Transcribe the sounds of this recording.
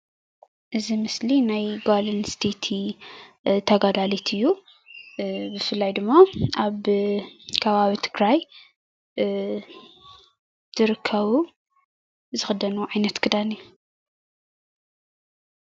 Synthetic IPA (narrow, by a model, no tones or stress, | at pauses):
ʔɨzimɨslinajɡolɐnst̪ʰet̪ʰi | t̪ʰɐɡad̪alit̪ʰɨjːu | bɨfɨlːajd̪ɨmːaʔaβ | kʰɐβaβit̪ʰɨɡɾaj | t̪ʰɨɾɨkʰːɐβu | zɨxɨd̪ɐnuʕajnɐt̪kʰɨd̪ani